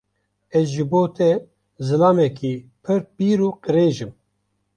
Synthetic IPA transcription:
ɛzʒɨboːt̪ʰɛ | zɨlɑːmɛkʰiːpʰɨɾpiːɾuːqɨɾeːʒɨm

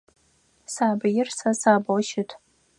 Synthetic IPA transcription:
saːbɐjɪrsɐsaːbɐlʃɪtʷʰʼ

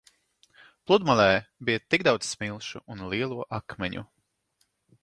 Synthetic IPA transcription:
plˠud̪malʲˠɛːbijɐt̪iɡd̪awd̪zsmilˠʃṵʔunliɛlˠuɔʔakmɛɲṵ

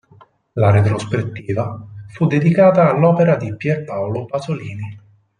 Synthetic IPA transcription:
laɾet̪ɾospet̪ːiːvafud̪ːed̪ikaːt̪aːlːɔːpeɾad̪ipjɛrpawlopazoliːni

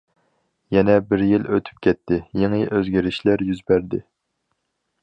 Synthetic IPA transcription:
jɛnɛbɪɾjiløt̪ʰy̥p̚kʲɛt̪ʰːɪjeŋɨʔøzɡʲiɾɪʃlæɾjyzbæɾd̪ɪ

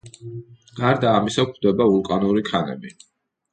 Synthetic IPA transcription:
ɡ̥aɾd̪aːmisakʰd̪ɛbaulˠkʼanuɾikʰanɛ̰bi

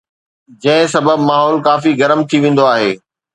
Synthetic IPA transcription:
d͡ʑɐ̃ɦɪ̃sɐbəbmaːɦɔːlkaːfiɣɐɾəmt̪ʰiʋẽːn̆d̪oaːɦeː

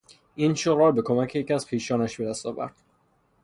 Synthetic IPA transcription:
iːnʃoɾɒːɾbe̞kʰo̞mæcʰejecʲæz̥pʰiːʃɒːnæʃbe̞d̪æst̪ɒːvæ̰ɾd̪̥

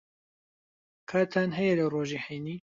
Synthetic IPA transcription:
kʰaːt̪ʰaːnɦɛjɛlɐroːʒiːħejniː

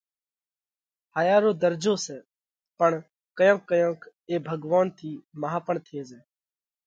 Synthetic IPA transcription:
haːjaːɾoːd̪əɾd͡ʒoːsɛː | pəɳ | kəjõːkːəjõːk | eːbʱəɡʋaːnt̪ʰiːməɦaːpəɳt̪ʰeːzɛː

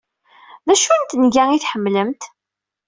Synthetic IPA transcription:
ðæʃunt̪nʝæiθħəmːləmt̪

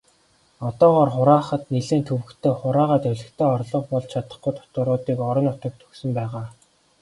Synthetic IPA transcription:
ɔt̪ɔːʁɔːrχʊɾaːχə̆t̪neɮɘ̆ːnt̪ʰɵwɘ̆kt̪ʰeːχʊɾaːʁaːt̪ɵɮɘ̆kt̪ʰeːɔrɮɞ̆χpɔɮt͡ɕt͡ɕʰat̪ə̆χɡujt̪ʰʊ̥t̪ʊ̆ɾʊːt̪iːkɔɾɞ̆nʊt̪ɞ̆k̚t̪ʰɵksɵ̆mpæːʁaː

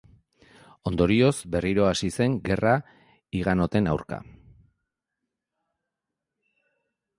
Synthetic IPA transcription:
o̞nd̪o̞ɾio̞zbe̞riɾo̞asise̞ŋɡe̞ra | iɣano̞t̪e̞nawɾka̰

